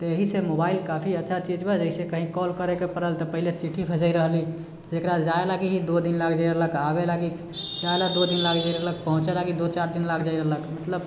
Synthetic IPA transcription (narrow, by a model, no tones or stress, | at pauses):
t̪əeɦisemobailkapʰiətːʃʰat͡ʃid͡ʒbɛd͡ʒəɦisekəɦĩkɔlkəɾekepəɾəlt̪əpəɦilet͡ʃiʈʰːibʰʱəd͡ʒəiɾəɦli | t̪d͡ʒekɾad͡ʒaelaɡiɦid̪od̪inlakʰd͡ʒaiɾəɦləkabelaɡi | d͡ʒaelad̪od̪inlakʰd͡ʒajɾəɦlək̚pəɦũt͡ʃelaɡid̪ot͡ʃaɾd̪inlakʰd͡ʒaiɾəɦləkmət̪ləb